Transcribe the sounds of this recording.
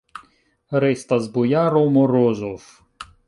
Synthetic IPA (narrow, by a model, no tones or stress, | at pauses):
ɾɪst̪ɐzbʊjaɾɔmɔɾɔzɔw